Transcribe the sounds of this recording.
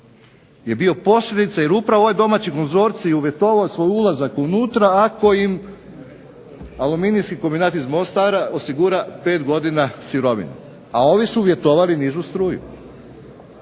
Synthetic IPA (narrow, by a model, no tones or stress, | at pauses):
je̞bio̞po̞sʎʲe̞d̪it̪saje̞ɾupɾaʋoʋojd̪o̞mat͡ɕiko̞nzo̞ɾt̪sijuʋje̞t̪o̞ʋaosʋo̞julˠazakunuːt̪ɾaːko̞im | aluminijskikombinaːt̪izmost̪aːɾao̞siɡuːɾape̞ːt̪ɡo̞d̪inasiɾo̞ʋḭnṵ | ao̞ʋisuːʋje̞t̪o̞ʋaliniʒust̪ɾuːjṵ